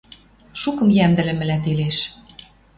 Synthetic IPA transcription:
ʃukɤ̆mjæmd̪ɘ̆lɘ̆mɘ̆læt̪eleʃ

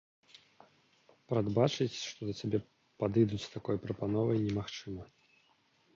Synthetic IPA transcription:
pɾad̪bat͡ʂɨt͡sʲʂt̪ɔd̪ɐt͡sʲabʲɛ | pad̪ɨjd̪ut͡sʲst̪akɔjpɾɐpanɔvɐjnʲɛmaxt͡ʂɨmɐ

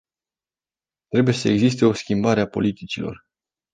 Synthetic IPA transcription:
t̪ɾe̞buje̞səe̞ɡzist̪e̞o̞skʲimbaɾeapo̞̰lit̪it͡ʃilo̞̰r

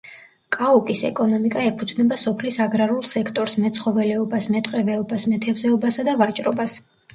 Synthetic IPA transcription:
kʼaukʼisɛ̰kʼɔnɔmikʼaɛpʰud̪znɛbasɔpʰlisaɡɾaɾulˠsɛkʰt̪ʼɔɾsmɛt̪sʰχɔvɛlɛɔbasmɛt̪ʼqʼɛvɛɔbasmɛt̪ʰɛvzɛɔbasad̪avat͡ʃʼɾɔbas

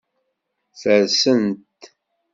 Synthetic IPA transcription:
θəɾsənt̪

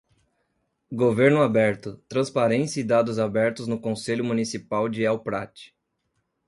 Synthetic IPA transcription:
ɡoveɾnʊabɛɾt̪ʊt̪ɾɐ̃spaɾẽsjɐɪd̪ad̪ʊzabɛɾt̪ʊznʊkõseʎʊmunisipawd͡ʒɪɛwpɾat͡ʃɪ̥

